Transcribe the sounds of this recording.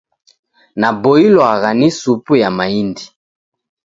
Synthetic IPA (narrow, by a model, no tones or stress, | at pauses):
naboiloaɣanisupujamaindi